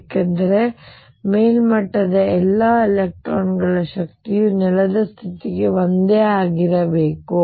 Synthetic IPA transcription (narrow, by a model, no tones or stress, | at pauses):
kɐnd̪ɐɾe̞ | meːlmɐʈːɐd̪ɐɛlːɐelek̚ʈɾoːnɡɐɭɐʃɐkt̪ijunɛlɐd̪ɐst̪ʰit̪iɡe̞ʋond̪eaːɡiɾɐbeːku